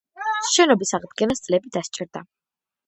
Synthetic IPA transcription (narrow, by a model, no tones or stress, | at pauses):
ʃɛnɔbisaʁd̪ɡɛnast̪sʼlɛbid̪ast͡ʃʼɛɾd̪a